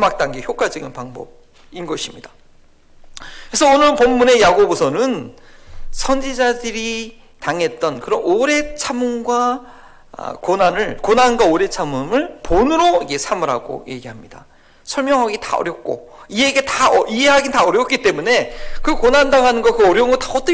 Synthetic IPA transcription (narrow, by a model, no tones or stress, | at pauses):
mak̚t͈aŋɡeçjok͈ad͡ʑʌɡinpaŋbʌ̰b̚ | inɡʌɕʰimɲidḁ | kɾesʰʌonɯɭpomːune̞jaɡobusʰʌnɯn | sʰʌnd͡ʑid͡ʑadɯɾi | taŋɦe̞t̚t͈ʌnkɯɾʌnoɾe̞t͡ɕʰamunɡwa̰ | konanɯɭkonanɡwaoɾe̞t͡ɕʰamɯmɯɭponɯɾoiɡe̞sʰamɯɾɦaɡo̰je̞̰ɡiɦamɲida̰ | sʰʌɭmjʌŋɦaɡita̰ʌ̰ɾjʌk̚k͈o̰ | ie̞ɡe̞taʌiɦe̞ɦaɡintaʌɾjʌk͈̚it͈e̞mune̞kɯkonandaŋɦanɯnɡʌkɯʌɾjʌuŋɡʌtaʌt͈